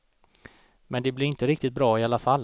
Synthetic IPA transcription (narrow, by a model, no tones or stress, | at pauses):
mɛnd̪ɛblɪɾɪnt̪əɾɪkt̪ɪt̪̚bɾɑːɪalːafalː